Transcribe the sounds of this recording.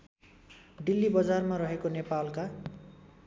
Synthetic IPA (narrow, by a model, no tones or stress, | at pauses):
ɖilːibʌd͡zarmaɾʌɦekonepalka